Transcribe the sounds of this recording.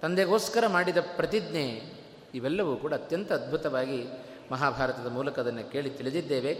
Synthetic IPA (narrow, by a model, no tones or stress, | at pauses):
t̪ɐnd̪eɡoːskɐɾɐmaːɽid̪ɐpɾɐt̪id̪neː | iʋɛlːɐʋuːkuːɽɐːt̪jɐnt̪ɐːd̪̚bʱut̪ɐʋaːɡi | mɐɦaːbʱaːɾɐt̪ɐd̪ɐmuːlɐkɐd̪ɐnːɐke̞ːɭit̪iɭid̪id̪ːeːʋe